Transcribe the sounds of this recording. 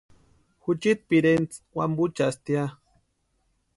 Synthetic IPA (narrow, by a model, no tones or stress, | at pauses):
xut͡ʃit̪̚piɾent͡swambut͡ʃast̪ja